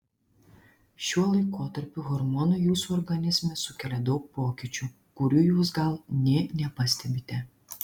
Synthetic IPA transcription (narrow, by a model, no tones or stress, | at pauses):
ʃʲuɔlˠɐɪkoːt̪ɐɾʲpʲʊɣɔɾmɔːnujuːsuɔɾɡɐnʲɪzʲmʲɛsʊkʲɛlʲɛd̪ɒʊk̚poːkʲit͡ʃʲuː | kʊɾʲuːjuːs̬ɡɐlˠnʲɛnʲɛpɐsʲt̪ʲɛbʲɪt̪ʲɛ